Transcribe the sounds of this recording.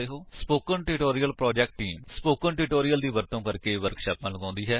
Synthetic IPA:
eːɦoːspoːkəɳʈɪʈoːɾijəlpɾɔːd͡ʒɛːk̚ʈʈiːmspoːkəɳʈɪʈoːɾijəld̪iːʋəɾt̪õːkəɾkeːʋəɾkʃaːpnãːləɡãːnd̪iːɦɛː

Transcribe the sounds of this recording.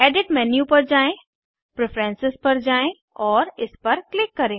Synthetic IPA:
eːɖɪʈmɛːnjupɐɾd͡ʒaːẽ | pɾepʰɾẽːnsɪspɐɾd͡ʑaːẽ | ɔːɾɪspɐɾklɪkːɐɾẽː

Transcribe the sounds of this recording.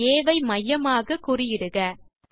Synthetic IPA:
eːʋɐɪmɐjːɐmaːɣɐkʊrɪjɪɽɯɣɐ

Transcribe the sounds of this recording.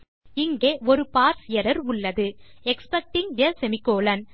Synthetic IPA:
ɪŋɡeːʔɔɾɯpaːɾsɪjɐɾɐɾʊɭːɐðɯɛkspɐk̚ʈɪŋʋɪjɐsɛmɪkːoːlɐn

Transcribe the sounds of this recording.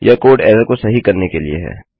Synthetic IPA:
jʔakoːɖɛ̰ːsakosɐɦikɐɾnekelḭḛɦɛ̰ː

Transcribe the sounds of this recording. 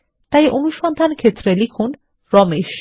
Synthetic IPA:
t̪ajeʔonuʃɔnt̪ʰankʰet̪ʰɾelikʰun | ɾɔmeʃ

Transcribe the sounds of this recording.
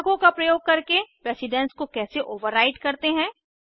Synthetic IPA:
ɡõkapɾɐjoːɡ̚kːɐɾkepɾɛːsɪɖɛ̃nskokɛːseʔoːʋəɾːaːɪʈkɐɾt̪eɦɛ̃ː

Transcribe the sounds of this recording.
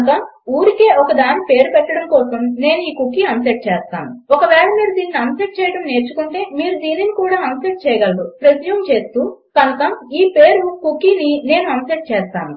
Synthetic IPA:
t̪ɐm | uːɾike̞ːʔɔkɐd̪aːnːipe̞ːɾupɛʈːɐɽɐmkɔːsɐmne̞ːnuiːkukːiɐnseʈ̚t͡ʃɛːst̪a̰ːnuɔkɐʋɛːɭɐmiːɾud̪iːniniɐnsɐʈ̚t͡ʃɛːjɐʈɐmne̞ːɾt͡ʃukuɳʈe̞ːmiːɾud̪iːninikuːɽaːɐnseʈ̚t͡ʃɛːjɐɡɐlːupɾesjuːmt͡ʃe̞ːst̪uːkɐnt̪ɐmiːpe̞ːɾukukːiːnine̞ːnuɐnseʈ̚t͡ʃɛːst̪a̰ːnu

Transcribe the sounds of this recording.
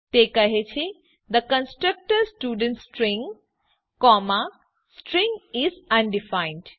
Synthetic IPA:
t̪ekəɦet͡ʃʰe | d̪əkə̃nsʈɾək̚ʈəɾsʈuːɖə̃nʈsʈɾĩŋ | kɔma | sʈɾĩŋɡizɐ̃nɖifaɪ̃nɖ

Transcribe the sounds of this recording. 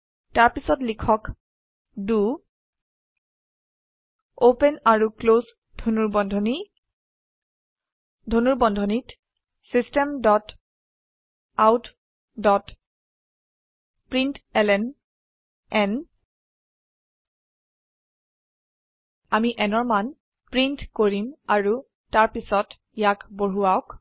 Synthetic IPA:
taɹpisɔtlikʰɔk | du | opɛnaɹukloz | dʱonuɹbɔndʱɔni | dʱonuɹbɔndʱɔnit | sistɛmdɔt | awt | dɔt | pɹintɛlɛn | ɛn | amiʔɛnɔɹman | pɹintkoɹimaɹu | taɹpisɔt | jakboɹuaʊk

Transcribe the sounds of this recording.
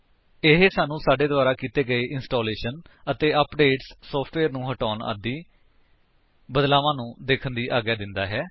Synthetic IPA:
ɪɦesaːnũːsaːɖeːd̪ʋaːɾaːkiːt̪eːɡəeːʔɪnsʈoːleːʃənət̪eːʔəpɖeːʈsːɔːpʰʈʋeːɾnũːɦəʈoːna̰ːd̪iː | bəd̪laːʋãːnũːd̪eːkʰənd̪iːʔaːɡjaːd̪ɪnd̪aːɦɛː

